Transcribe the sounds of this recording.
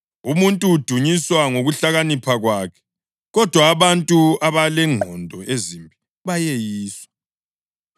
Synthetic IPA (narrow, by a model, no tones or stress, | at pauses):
umuntʼuːd̥ʱuɲiswaŋoɣuɬaɣanipʰaɣwaːkʰɛ̥ | ɣɔd̥ʱwaːβantʼuaβalɛŋʱɔndʱɔʔezimbʱi | βajejiːswa